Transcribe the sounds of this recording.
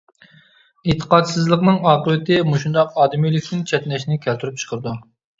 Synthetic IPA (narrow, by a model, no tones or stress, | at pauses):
et̪ʰːə̥qɑt̪sɨzlˠəqnɨŋɑːqəwɪt̪ʰɪmuʃund̪ɑqɑːd̪ɪmijlɪkʲt̪ʰɪnt͡ʃʰɛt̪nɛʃnɪkʲʰɛlt̪ʰyɾyp̚t͡ʃʰə̥qʰəɾɨd̪u